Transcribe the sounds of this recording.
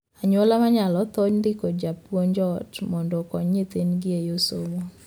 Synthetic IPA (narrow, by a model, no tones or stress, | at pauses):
aɲwolamaɲalɔt̪ɔɲndɪkɔd͡ʒapwoɲd͡ʒɔtmɔndɔkɔɲːɪt̪enɡɪejoso̰mo